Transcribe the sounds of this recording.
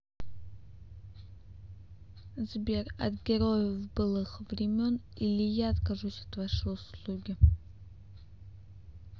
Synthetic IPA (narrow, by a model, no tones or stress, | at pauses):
zbʲerɐ̰t̪ɡʲɛɾojəvbɨlˠɨxvɾʲɪmʲon | ilʲɪjaːt̪kaʐusʲat̪vaʂoslˠuɡʲɪ